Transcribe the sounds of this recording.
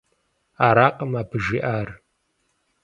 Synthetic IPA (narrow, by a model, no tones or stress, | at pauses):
aːɾaːqɐmaːpʰɨʒiʔaːr